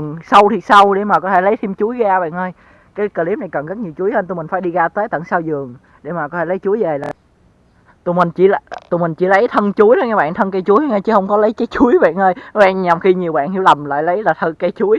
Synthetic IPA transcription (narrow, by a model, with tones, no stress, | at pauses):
ŋsa˧wt̪ʰi˨˩sa˧wɗe˧˩maː˨˩kɔ˨˦t̪ʰe˧˩lə˨˦jt̪ʰi˧mt͡ɕu˨˦əjɣaː˧ɓa̰ː˧˨nʔəː˧j | kaː˨˦jkəː˧˩li˨˦˥pna˨˩jkə˨˩nɣə˦˥t̚ɲi˨˩wt͡ɕu˨˦jhə˧nt̪u˧˩mï˨˩ŋ̟faː˧˩jɗi˧ɣaː˧t̪əː˨˦t̪ə̰˧˩nsaː˧wzɨ˨˩əŋ | ɗe˧˩maː˨˩kɔ˨˦t̪ʰe˧˩lə˨˦jt͡ɕu˨˦əjve˨˩laː˨˩ | t̪u˨˩mï˨˩ŋ̟t͡ɕḭ˧˩lt̪u˨˩mï˨˩ŋ̟t͡ɕi˧˩lə˨˦jt̪ʰə˧nt͡ɕu˨˦əjnɔ˨˦jŋaː˧˩ɓa̰ː˧˨nt̪ʰə˧nkə˧jt͡ɕu˨˦jŋaː˧jt͡ɕi˧˦hə˧wŋ͡mkɔ˨˦lə˨˦jt͡ɕə˨˦jt͡ɕu˨˦jɓa̰ː˧˨nʔəː˧jɔ˨˦ɓa̰ː˧˨nɲa˨˩mxi˧ɲi˨˩əwɓa̰ː˧˨nhḭ˧˦wlə˨˩mla̰ː˧˨jlə˨˦jlaː˨˩t̪ʰə˧t̚ka˧jt͡ɕu˨˦j